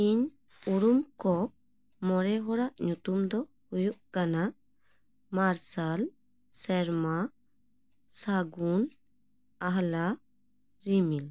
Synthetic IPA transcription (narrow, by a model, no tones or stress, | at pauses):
iɲ | uɾumkɔ | mɔɾɛɦɔɽaʔɲut̪umd̪ɔ | hujuʔkana | maɾsal | sɛɾma | saɡun | aɦla | ɾimil